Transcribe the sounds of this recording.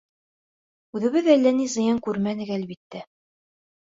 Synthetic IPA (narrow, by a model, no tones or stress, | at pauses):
ʉðɘ̆βɘðælːænizɤ̆jɑŋkʉɾmænɘ̆kælbit̪ːæ